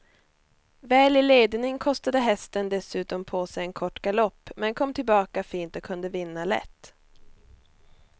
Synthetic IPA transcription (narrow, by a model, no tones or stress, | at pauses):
vɛːlɪleːd̪nɪŋkʰɔst̪ad̪əɦɛst̪ənd̪ɛsʉ̟ːt̪ɔmpʰoːsɛjɛnkʰɔʈːɡalɔpːmɛnkʰɔmːt̪ʰɪlbɑːkafiːnt̪ɔkʰɵnd̪əvɪnːalɛ̰t̪ː